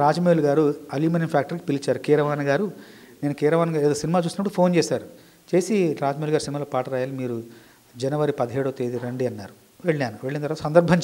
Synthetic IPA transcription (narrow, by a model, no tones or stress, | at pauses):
ɾaːd͡ʒɐmeːluɡaːɾuɐljuːmɐnimpʰjaːk̚ʈɐɾk̬i̥pilit͡ʃaːɾukiːɾɐʋaːnɐɡaːɾu | ne̞ːnukiːɾɐʋaːnɐɡaːɾeːd̪oːsinimaːt͡ʃuːsnɐpːɽupʰo̞ːnt͡ʃeːsaːɾu | t͡ʃe̞ːsiɾaːd͡ʒmeluɡaːɾusinimaːloːpaːʈɐɾaːjaːlimiːɾu | d͡ʒɐnɐʋɐɾipɐd̪iɦeːɽut̪eːd̪iɾeɳɖiɐnːaːɾu | ʋe̞ɭːaːnuʋe̞ɭːint̪ɐɾʋaːt̪usɐnd̪ɐɾbʱɐɲt͡ʃ